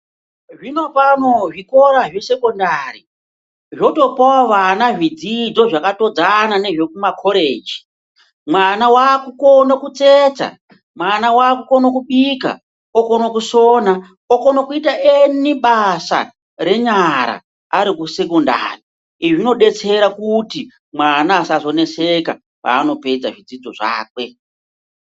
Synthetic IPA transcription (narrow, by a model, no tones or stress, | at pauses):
ʐino̞pano̞ʐiko̞ɾaʐese̞kondari | ʐo̞to̞paaʋanaʐid͡zid͡zo̞ʐakato̞d͡zanane̞ʐekumakʰo̞ɾeːd͡ʒi̥ | mwanawakukonokut͡seːt͡sa̰ | mwanawaːkukonokuɓika̰ | okonokuso̞ːna | oko̞nokuitaʔeniɓasa̰ | ɾe̞ɲaɾa̰ | aɾikuse̞kunda̰ːri | iʐino̞ɗe̞t͡se̞ɾakuti | mwanaːsazo̞ne̞seka̰ | pa̰ːno̞pe̞d͡zaʐid͡zid͡zo̞ʐa̰ːkwe̞